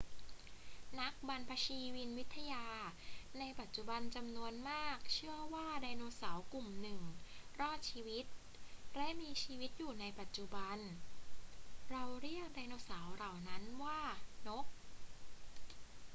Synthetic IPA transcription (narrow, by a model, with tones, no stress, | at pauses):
na˦˥k̚ba˧npʰa˧t͡ɕʰiː˧wi˧nwi˦˥t̪ʰːa˧jaː˧ | na˧jpa˨˩t̪̚t͡ɕu˨˩ba˧nt͡ɕa˧mnu˧ənmaː˥˩k̚t͡ɕʰɯ˥˩əwaː˥˩da˧jnoː˧saː˩˦wku˨˩mnɯ˨˩ŋɾɔː˥˩t̪̚t͡ɕʰiː˧wi˦˥t̪̚ | ɾɛ˦˥miː˧t͡ɕʰiː˧wi˦˥t̪̚juː˨˩na˧jpa˨˩t̪̚t͡ɕu˨˩ba˧n | ɾa˧wɾi˥˩ək̚daː˧jnoː˧saː˩˦wɾa˨˩wna˦˥nwaː˥˩no˦˥k̚